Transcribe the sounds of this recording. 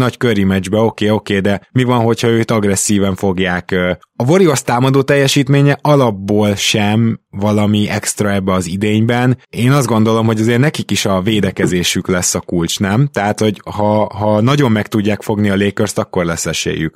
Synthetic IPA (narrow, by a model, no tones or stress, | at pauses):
nɒckøɾimɛd͡ʒbɛo̞keːo̞keːd̪ɛmivɒnɦo̞cʰhɒøːt̪ɒɡrɛsːiːvɛɱfo̞ɡjaːk | ɒvo̞ɾiost̪aːmɒd̪oːt̪ɛjːɛʃiːt̪meːɲɛʔɒlɒbːoːlʃɛmvɒlɒmiɛkst̪rɒɛbːɛɒzid̪eːɲbɛneːnɒzd̪ɡo̞nd̪o̞lo̞mɦo̞ɟɒzeːrnɛkikiʃɒveːd̪ɛkɛzeːʃyklɛsːɒkult͡ʃnɛmt̪ɛɦaːt̪ho̞ɟhɒɦɒnɒɟo̞mːɛkt̪uɟːaːkfo̞ɡniɒleːkørst̪ɒkːo̞rlɛsːɛʃḛːjːy̰k